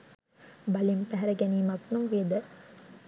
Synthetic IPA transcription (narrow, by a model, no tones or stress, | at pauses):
bɐlimpæɦæɾəɡɛniːmɐknuŋʋeːd̪ə